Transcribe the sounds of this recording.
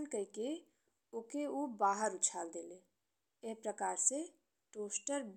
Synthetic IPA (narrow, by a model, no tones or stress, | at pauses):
nkəike | okeubaːɦəɾʊt͡ʃʰaːld̪eːleː | epɾəkaːɾse | ʈoːsʈəɾb